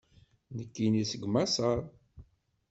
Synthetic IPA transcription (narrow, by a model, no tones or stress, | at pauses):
nəkːinisəɡmasəɾˤ